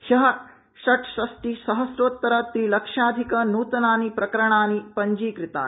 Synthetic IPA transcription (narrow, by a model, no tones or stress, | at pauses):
ʃɐɦɐ | ʃɐʈʃɾɐsʈisɐɦɐsɾoːt̪ːɐɾɐt̪ɾiːlɐkʂaːd̪ʱikɐnuːt̪ɐnaːnipɾɐkɐɾɐɳ̃aːnipɐɲd͡ʒiːkɾɪt̪a̰ːn